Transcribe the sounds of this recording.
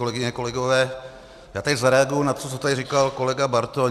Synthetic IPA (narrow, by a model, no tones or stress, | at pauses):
olɛɡɪɲɛko̞lɛɡovɛː | jaːt̪ɛczaɾɛaɡojunat̪osot͡sot̪adɪriːkalko̞lɛɡabaɾt̪o